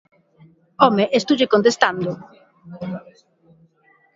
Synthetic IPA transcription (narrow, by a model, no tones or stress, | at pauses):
omeʔest̪uʝekõnt̪est̪and̪o